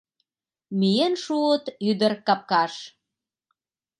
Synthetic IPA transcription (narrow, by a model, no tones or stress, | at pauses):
mijenʃuət̪yd̪ə̆rkɑp̚kɑʃ